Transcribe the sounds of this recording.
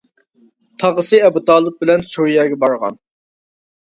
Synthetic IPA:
t̪ʰɑʁəsɨɛbut̪ɑːlˠɨp̚bɪlɛnt͡ʃʰojɛːɡʲɛbɑɾʁɑ̰n

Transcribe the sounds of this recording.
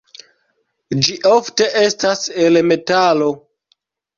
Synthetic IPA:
d͡ʒiʔo̞fte̞ʔe̞stase̞lme̞talo̞

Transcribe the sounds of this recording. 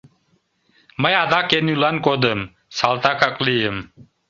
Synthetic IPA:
məjad̪akenulankʼod̪əm | salt̪akʰakʼlijəm

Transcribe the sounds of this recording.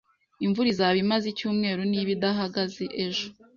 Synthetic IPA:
iɱvuɾizaβimazicuːmŋe̞ːɾuniβidaɦaɡazeʔeʒo

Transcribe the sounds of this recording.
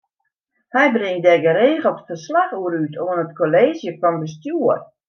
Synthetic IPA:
hɛjbrɪŋdɛɡəɾeːɣəl̩ˠfərslaxuəɾytʰoənətkoleːzjəfɔnbəstjuər

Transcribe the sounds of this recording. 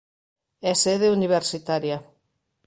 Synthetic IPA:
ɛseðeuniβ̞eɾsit̪aɾja

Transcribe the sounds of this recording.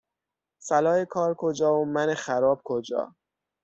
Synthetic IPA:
sælɒːekʰɒːɾkʰod͡ʒɒːomænexæɾɒːb̥̚kʰod͡ʒɒ̰ː

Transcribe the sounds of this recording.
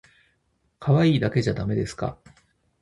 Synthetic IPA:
kʰaβaiːd̪ake̞ʑad̪ame̞d̪e̞sɨ̥ka̰

